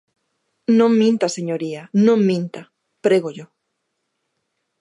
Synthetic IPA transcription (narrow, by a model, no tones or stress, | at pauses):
nõŋmĩnt̪ɐseɲoɾianõŋmĩnt̪a | pɾeɣoʎo